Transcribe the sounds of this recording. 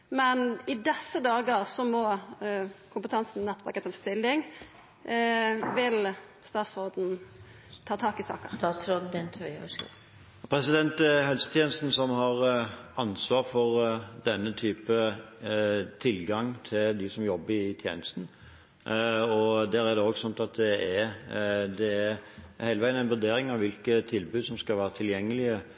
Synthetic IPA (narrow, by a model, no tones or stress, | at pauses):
mɛnɪd̪ɛsːəd̪ɑːɡəʁsɔmɔ | kʰʊmpət̪ʰɑnsnnɛt̪ʋæɾkət̪ʰəst̪ɪlːɪŋ | ʋɪl | st̪ɑːt̪sʁoːd̪n̩ | t̪ʰɑːt̪ʰɑːkɪsɑ̰ːkəʁt̪ɑːsɾoːd̪̩bʏnt̪ʰː | pʰɾɛsɪd̪ɛnt̪hɛlsə̥t̪ʰjeːnəst̪n̩sɔmhɑʁɑnsʋɑːɾfɔɾd̪ɛnːət̪ʰyːpə | t̪ʰɪlɡɑŋt̪ʰɪld̪ɪsɔmjɔbːət̪ʰjḛːnəst̪n̩ | ɔd̪æːɾæʁd̪ɛoːɡsɔnt̪ɑt̪̚d̪ɛʔæ | d̪ɛæhæɪləʋæɪnæɪnʋʉɾd̪eːɾɪŋɑʋʋɪlkət̪ʰɪlbʉːd̪sɔmskɑlʋæːɾət̪ʰɪljɛŋːəlɪə